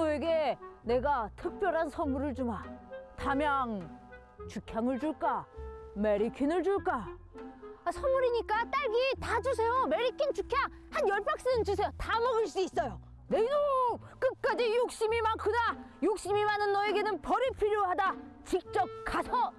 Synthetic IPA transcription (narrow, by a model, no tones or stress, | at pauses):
ʌe̞ɡe̞ne̞ɡatʰɯk̚p͈jʌɾɦansʰʌnmuɾɯɭt͡ɕumatamjaŋ | t͡ɕukʰjaŋɯɭd͡ʑuɭk͈ame̞ɾikʰinɯɭd͡ʑuɭk͈a | asʰʌnmːuɾiɲik͈at͈aɭɡitad͡ʑusʰe̞jome̞ɾikʰint͡ɕukʰjaŋ | hanjʌɭpʰak̚s͈ɯnɯnt͡ɕusʰe̞jotamʌɡɯɭs͈uis͈ʌjo | nedo | k͈ɯk̚k͈ad͡ʑijok̚ɕ͈imimankʰudajok̚ɕ͈imimanɯnːʌe̞ɡe̞nɯnpʌɾipʰiɾjoɦada | t͡ɕik̚t͡ɕ͈ʌp̚k͈asʰʌ